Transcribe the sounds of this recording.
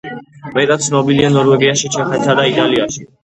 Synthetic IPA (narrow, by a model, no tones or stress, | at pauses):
mɛt̪ʼat̪sʰnɔbilianɔɾwɛɡiaʃit͡ʃʰɛχɛd̪sad̪ait̪ʼaliaʃi